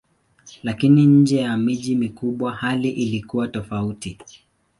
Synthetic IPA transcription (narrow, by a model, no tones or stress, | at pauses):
lakiniɲ̩d͡ʒɛjamiʄimikuɓwahaliʔilikuwatɔfauti